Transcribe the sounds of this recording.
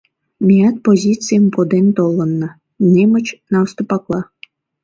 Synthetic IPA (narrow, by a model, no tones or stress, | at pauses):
mʲiɑt̪̚pozʲit͡sijəmpod̪ent̪olˠə̆nːə | nemə̆t͡ɕnɑwst̪opɑklˠɑ